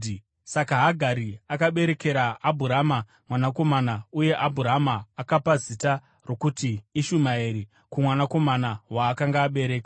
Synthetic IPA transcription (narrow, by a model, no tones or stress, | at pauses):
sakaɦaɡʱaɾiakaɓe̞ɾe̞ke̞ɾaːbʱuɾama | mwanako̞manauje̞ʔabʱuɾamaːkapazita | ro̞kutiːʃumaiɾi | kumwanako̞manawaːkaŋɡaːɓe̞ɾe̞ːkḁ